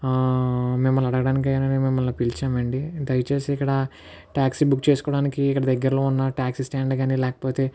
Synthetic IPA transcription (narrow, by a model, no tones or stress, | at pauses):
mɛmːɐlɐɽɐɡɐɽaːnik̬iɡaːnɐnmɛmːɐlːoːpilt͡ʃaːmɐɳɖid̪ɐjt͡ʃe̞ːsiikːɐɽɐ | ʈaːksibukːt͡ʃeːsu̥kɔːɽaːnikiːkːɐɽɐd̪ɐɡːɐɾlo̞ːunːɐʈaːksisʈaːɳɖɡaːnilɛːkɐ̥poːt̪e̞ː